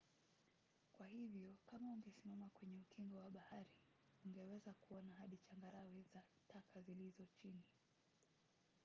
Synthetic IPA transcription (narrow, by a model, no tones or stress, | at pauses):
kwahivjɔkamauŋɡɛsimamakwɛɲɛukʰiŋɡɔwaɓahaɾi | uŋɡɛwɛzakuɔnaɦaɗit͡ʃaŋɡaɾawɛzatʰakʰazilizɔt͡ʃini